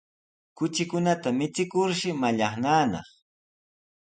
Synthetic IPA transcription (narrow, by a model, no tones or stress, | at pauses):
kʊt͡ʃɪkʊnat̪amɪt͡sɪkʊɾʃɪmaʎɑχnaːnɑ̰χ